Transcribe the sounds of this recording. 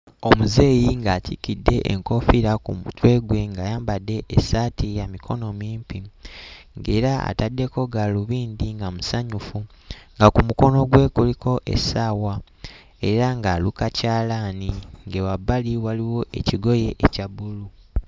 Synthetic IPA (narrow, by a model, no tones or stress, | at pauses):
o̞muze̞ːjiŋɡaːtʰikidːe̞ʔḛŋko̞fiɾakuutwe̞ːɡwe̞ŋɡajaːmbadːe̞ʔesatijamikʰo̞no̞miːmpi | ŋɡe̞ɾaa̰tadːe̞ko̞ɡaluβiːndiŋɡamusaɲufu | ŋɡakumuko̞no̞ɡwe̞ːkulikʰo̞ʔḛsawa | e̞ɾaŋɡaːlukacaːlaːniŋɡewabːaliwaliwo̞ʔeciɡo̞je̞ʔecaβulu